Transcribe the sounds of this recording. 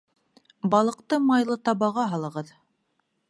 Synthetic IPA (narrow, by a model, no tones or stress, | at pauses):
bɑlˠɤ̆qt̪ɤmɑjlˠɤt̪ɑβɑʁɑɦɑlˠɤ̆ʁɤð